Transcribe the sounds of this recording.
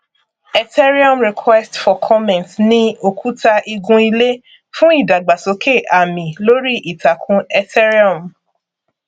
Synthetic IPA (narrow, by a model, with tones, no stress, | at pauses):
ɛ˧tɛ˦ɾi˦ɔ̃˦˨mɾi˨kʰwɛ˦stfɔ˨kʰɔ˦mɛ̃˨ntnĩ˦o˨kʰu˦ta˧ʔi˧ɡũ˧i˧le˦ | fũ˦i˦˨da˨ɡ͡ba˨so˨˧˦kʰe˦˨ʔa˨mĩ˨lo˦ɾi˦ʔi˨ta˨kʰũ˧˦ɛ˧tɛ˦ɾi˦ɔ˨m